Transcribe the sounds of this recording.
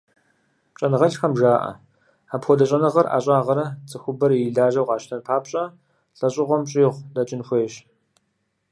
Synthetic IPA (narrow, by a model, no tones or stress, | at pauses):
t͡ʃʼɐnɨʁɐɬxɐmʒaːʔɐ̰ | aːpxʷɔdɐɕʼɐnɨʁɐrʔa̰ːɕʼaːʁɐɾɐt͡sʼɨxʷʊbɐrjɮaːʒɐwqʼɑːʃtʰɐnpʰaːpɕʼɐ | ɬʼɐɕʼɪʁʷɔmɕʼiːʁʷdɐt͡ʃʼɪnxʷeːɕ